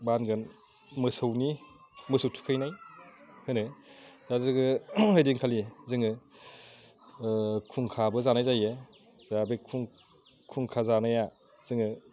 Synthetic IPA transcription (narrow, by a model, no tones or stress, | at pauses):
banɡɯn | mɯsɯwni | mɯsɯwtʰu̥kʰɯjnajhɯnɯzazɯɡɯɯjdiŋkʰalizɯŋɯ | kʰuŋkʰabɯzanajzajɯ | zabekʰuŋ | kʰuŋkʰazanaja | z̥ɯŋɯ